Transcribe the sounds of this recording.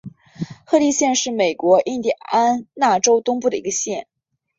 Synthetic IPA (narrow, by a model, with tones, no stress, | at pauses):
xɤ˥˧li˥˧ɕjɛ˥˧nʂɻ̩˥˩me˨˩ɪkwɔ˧˥ʔi˥˧nt̪i˥˩a̰˥˩a˥nna˥˩ʈ͡ʂo˥ʊt̪ʊ˥ŋpu˥˩d̪ə˩i˧˥ɡə˧ɕjɛ˥˩n